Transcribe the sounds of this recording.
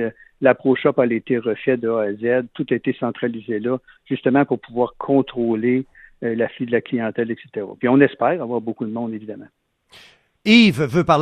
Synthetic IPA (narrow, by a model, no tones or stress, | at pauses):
lapʁoʃɔpalet̪eʁəfɛd̪əɔazɛd̪̚t̪ut̪aet̪esɑ̃t̪ʁalizelʌ | ʒ̥yst̪əmãpʊʁpʰuvwaːʁkʰɔ̃t̪ʁole | laflid̪əlaklijɑ̃t̪ɛlɛkse̥t̪eʁɑ̰pɥiɔ̃nɛspɛːʁavwaːʁbokud̪əmɔ̃d̪evid̪amã | ivvøpaʁl